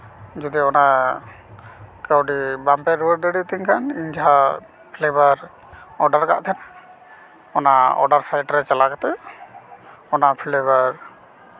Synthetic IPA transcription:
d͡ʒud̪iɔna | kəwɖibampɛɾuəʈ̚d̪əɽit̪iŋkʰaniɲd͡ʒaɦa | pʰlebaɾ | ɔɖaɾka̰ʔt̪ʰɛna | ɔnaɔ̰ɖaɾsajʈɾɛt͡ʃalakat̪ɛ | ɔnaʔpʰlebaɾ

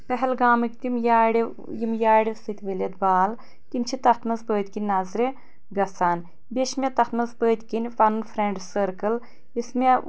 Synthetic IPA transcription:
pɛɦɛlɡaːmɨkt̪imjaːɽi | jimjaːɽʲisɨt̪ʲʋəlʲɐt̪̚baːl | k̪int͡ʃʰit̪ɐt̪ʰmɐsbəːt̪ʲkinʲːazɾe | ɡɐsaːn | bʲeʃmʲet̪ɐt̪mɐsbəːt̪ʲkinʲfɐnnfʰɾeɳɖsəɾkɨl | ismʲe

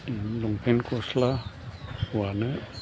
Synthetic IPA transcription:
luŋpʰenkosla | wanə

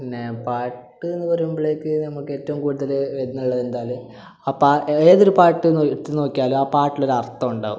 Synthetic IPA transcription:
inːepaːʈʈːɨenːɨpɐrɐumbɐɭe̞ːkːɨnɐmːɐɭkːɨe̞ːtːɐʋumkuːɽuðɐlʋedinːuɭːɐðe̞nd̪aːjlum | aːpaːeːðoɾupaːʈːɨnt̪ːɨno̞ːkːijaːluaːpaːʈːilo̞ɾuɐrt̪ːɐmuɳɖa̰ːʋṵm

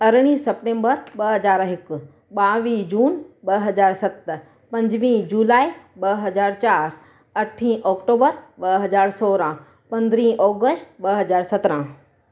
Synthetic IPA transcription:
ɐɾɽ̃ĩːsɐpʈẽːmbəɾɓɐɦɐzaːɾɦɪkʊ̆ | ɓaːʋiːd͡ʑuːnɓɐɦɐd͡ʑaːɾsɐt̪ | pɐ̃ɲd͡ʑʋĩːd͡ʑuːlaːiɓɐɦɐzaːɾt͡ɕaːɾ | ɐʈʰĩːʔɔːkʈoːbəɾɓɐɦɐzaːɾsɔːɾã | pɐ̃nd̪ɾĩːʔɔːɡəsʈɓɐɦɐzaːɾsɐt̪ɾã

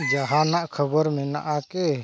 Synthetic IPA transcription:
d͡ʒəɦanaʔkʰəbəɾmɛ̃na̰ʔake

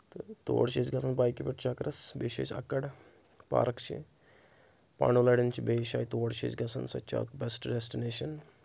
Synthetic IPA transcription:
t̪ɨt̪o̰ːɽt͡ʃesɡɐsɐnpaːjkipiʈt͡ʃʰɐkɾɐsbeːʃḛːt͡ʃɐ̰kːɐɽ | pa̰ːɾɐkt͡ʃʰḭ | pa̰ːɳulɐɽint͡ʃʰibeːʃaːjt̪oːɽt͡ʃʰḭt͡ʃɡɐsɐnsɐ̰t͡ʃʰa̰ːt̪bʲɛsʈɖesʈineːʃɐn

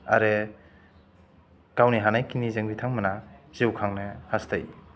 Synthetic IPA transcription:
a̰ɾe | kawniɦanajkinizɯŋbitʰaŋmanaz̥iwkʰaŋnɯhasta̰j

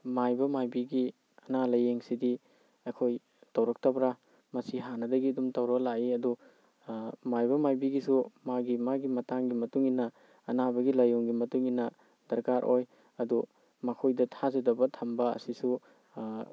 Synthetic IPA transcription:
majbɐmajbiɡi | ɐnalɐjeŋsidi | ɐkʰoj | tɐwɾɐk̚tɐbɾa | mɐsiɦanɐdɐɡiɐdumtɐwɾɐk̚laiɐdu | majbɐmajbiɡisumaɡimaɡimɐtaŋɡimɐtuŋinɐː | nabɐɡilɐjuŋɡimɐtuŋinɐ | d̥ɐɾkaɾʔoj | ɐdu | mɐkʰojdɐtʰazɐdɐbɐtʰɐmbɐɐ̰sisu

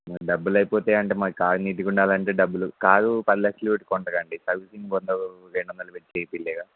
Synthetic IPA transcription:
makɖɐbːulɐjipoːt̪e̞ːɐɳʈeːmɐkikaːɾuniːʈ̬ikuɳɖaːlɐɳʈeːɖɐbːulukaːɾupɐd̪ilɐkʂɐluuʈkɔɳʈɐɡɐɳɖisɐɾʋisiŋbond̪oɾeɳɖuʋɐnd̪ɐlupet͡ʃːejpilːɛːɡaː

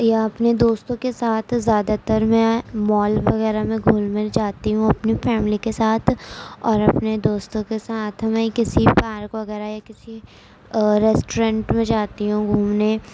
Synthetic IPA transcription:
jaɐpned̪oːst̪õkesaːt̪ʰzjaːd̪at̪əɾmɛ̃mɔːlʋɐɣɛːɾamẽɡʱuːlmed͡ʒaːt̪iɦũɐpnifɛːmlikesaːt̪ʰɔːɾɐpned̪oːst̪õkesaːt̪ʰmɛ̃kɪsipaːɾkʋɐɣɛːɾajakɪsi | ɾɛːsʈoɾɛ̃ːɳʈmẽd͡ʒaːt̪iɦũɡʱũːmne

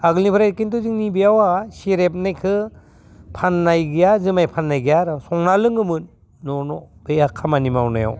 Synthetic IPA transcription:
aɡɯlnibʰɯɾajkintuzɯŋnibijawasiɾep̚najkʰɯ | pʰanːajɡijazɯmajpʰanːajɡijaɾɔsɔŋnalɯŋɯmɯnː | ɔnɔbejakʰːamanimawna̰ja̰w

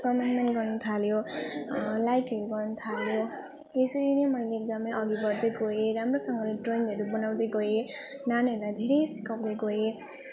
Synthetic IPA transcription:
kʌmenmenʈɡʌrnʌt̪ʰaljo | lajkɦʌɾuɡʌrnʌt̪ʰaljo | esʌɾinʌjmʌileːk̚d̪ʌmʌjʔʌɡiɡʌɾd̪ʌjɡoeɾamrosʌŋɡʌleʈronɦʌɾubʌnawd̪ʌjɡoe | nanʌɾlajd̪ʱeɾʌjsi̥kʌwd̪ʌɡoe

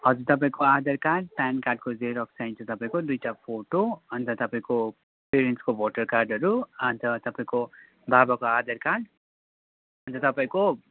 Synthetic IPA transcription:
ɦʌd͡zurt̪ʌpaĩkoad̪ʌrkaɖ̚pankarɖ̚kod͡zeɾʌksajnt͡sʰʌt̪ʌpaĩkod̪ujʈapʰoʈoʌnt̪ʌt̪ʌpaĩko | peɾenʈskoboʈʌrkarɖʌɾuʌnt̪ʌt̪ʌpaĩko | babakoad̪ʌrkarɖ | ʌnt̪ʌt̪ʌpaĩko

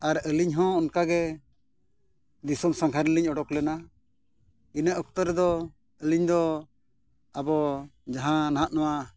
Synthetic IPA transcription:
aɾəliɲɦɔ̃ːnkaɡɛ | d̪isɔmsãkʰaɾliɲɔɖɔklɛna | inəʔɔk̚t̪ɔɾɛd̪ɔ | əliɲd̪ɔ | abɔd͡ʒaɦãnaɦaʔnɔwa

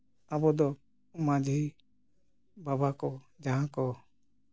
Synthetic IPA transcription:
abɔd̪ɔ | mãd͡ʒi | babakɔ | d͡ʒaɦãkɔ

